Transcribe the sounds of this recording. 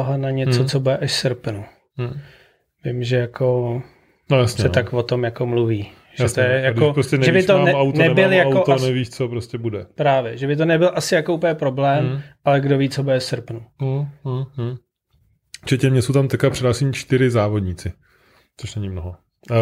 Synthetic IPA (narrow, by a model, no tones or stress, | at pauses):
oɦanaɲɛt͡sot͡sobudɛʔaʃsɾpnu | vɪmʒɛjakʰo | nojasɲsɛt̪akvot̪o̞mjakomluviː | ʒ̥jɛst̪ojɛjaopɾoscɛnɛʒɛibɪt̪onɛmawtnɛɛbɪljaawkot̪onɛviːʃt͡sopɾoscʲɛbudɛpɾaːvjɛʒɛbɪt̪̬onɛbɪlʔasɪjakoʔupɲɛpɾo̞blɛːmʔalɛɡdoviːt͡sobudɛsɾpnu | t͡ʃɛcɛmɲɛsowt̪amt̪ɛkapr̥ɛdaːsiɲit͡ʃt̪ɪɾɪzaːvodɲiːt͡sɪ | t͡soʃnɛɲɪmnoɦo